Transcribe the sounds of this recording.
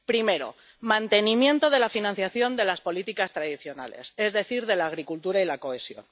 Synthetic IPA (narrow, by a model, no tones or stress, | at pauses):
pɾime̞ɾo̞̰ | mãnt̪e̞nĩmje̞nt̪o̞ð̞e̞lafinãnθjaθjo̞nd̪e̞laspo̞lit̪ikast̪ɾaðiθjo̞na̰le̞̰se̞zðe̞θiɾðe̞laːɣ̞ɾikult̪uɾailako̞e̞sjo̞̰n